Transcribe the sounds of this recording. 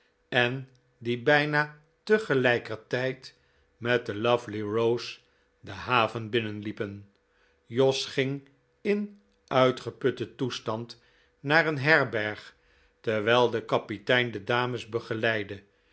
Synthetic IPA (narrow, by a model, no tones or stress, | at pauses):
ɛn | dibɛjna | təχəlɛjkərtɛjt | mɛt̚dəlʌvliɹows | dəɦaːvənbɪnənlipən | jɔsχɪŋ | ɪn | ʔœɥtχəpɵtətustɑnt | naːɾənɦɛrbɛɹχ | tɛɹʋɛlˠdəkɑpitɛjndədaːməzbəχəlɛjdə